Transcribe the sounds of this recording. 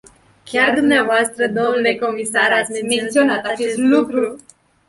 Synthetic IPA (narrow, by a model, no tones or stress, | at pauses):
kʲjaɾd̪umneavoast̪ɾəd̪omnulekomisaɾat̪memensionat̪at͡ʃest̪lukɾu